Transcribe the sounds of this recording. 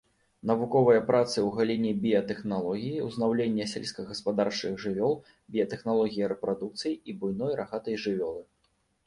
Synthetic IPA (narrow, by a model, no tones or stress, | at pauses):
nɐvukɔvɐjɐpɾʔat̪sɨwɣalʲinʲibʲijɐt̪ɛxnalˠɔɣʲijiwznawlʲenʲːɐsʲɛlʲsʲkɐɣɐspad̪art͡ʂɨɣʐɨvʲɔlˠ | bʲijɐt̪ɛxnalˠɔɣʲijiɾɛpɾad̪ukt̪sɨjiibujnɔjɾʔaɣat̪ɐjʐɨvʲɔlˠɨ